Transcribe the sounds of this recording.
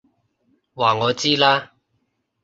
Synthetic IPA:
waː˨˩ŋɔː˨˧t͡siː˥laː˥

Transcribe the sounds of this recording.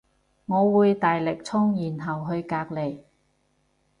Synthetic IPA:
ŋɔː˨˧wuː˨˧jt̪aː˨jlɪ˨k̚t͡sʰʊ˥ŋjiː˨˩nɦɐ˨wɦɵ˧ɥkaː˧k̚le˨˩j

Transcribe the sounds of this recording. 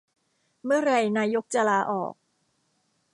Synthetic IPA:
mɯ˥˩ɐɾa˧jnaː˧jo˦˥k̚t͡ɕa˧laː˧ʔɔ̰ː˨˩k̚

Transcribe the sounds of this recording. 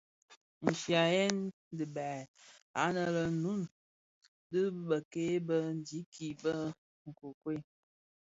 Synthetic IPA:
n̩˨ʃja˨jɛ˦n | dɨ˨ba˨a˨˦nə˨lə˨nu˦n | dɨ˦ɓə˨ke˦bə˦n˦di˨˦kʰi˨bə˦ | ŋ̩˨ko˨kwe˦˨

